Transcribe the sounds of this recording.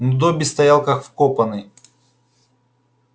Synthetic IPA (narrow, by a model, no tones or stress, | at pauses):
nud̪obʲɪst̪ɐjalˠkɐxfkopɐnɨj